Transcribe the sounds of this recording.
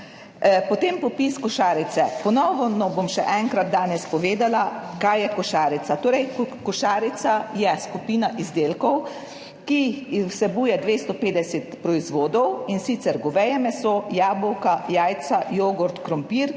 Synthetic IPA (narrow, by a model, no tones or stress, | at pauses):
pɔt̪empɔpiːskɔʃaːɾit̪sɛpɔnɔʋɔnɔbomʃɛ̰ʔɛŋkɾat̪̚d̪aːnɛspɔʋeːd̪alakajːɛkɔʃaːɾit̪sat̪oːɾɛjkɔʃaːɾit̪sajɛskupiːnaʔizd̪eːlkɔw | kiwsɛbuːjɛd̪ʋeːst̪ɔpeːd̪ɛsɛt̪pɾɔizʋoːd̪ɔwinsit̪sɛɾɡɔʋɛjɛmɛsoːjaːbɔwkajaːjt̪sajoːɡɔɾt̪kɾɔmpiːɾ